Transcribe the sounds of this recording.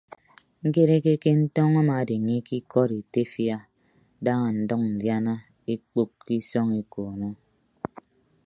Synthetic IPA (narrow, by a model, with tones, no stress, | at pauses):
ŋ̩˦ke˦ɾe˦ke˦ke˦n̩˦tɔ˦ŋa˦ma˨de˨ŋe˦ki˦kʰɔ˦ɾe˨te˦fja˦˨ | da˦ŋa˨n̩˨dɔ˦ŋ̚n̩˨dja˦na˦ | e˦k͡po˦kːi˦sɔ˦ŋe˨koː˨no˦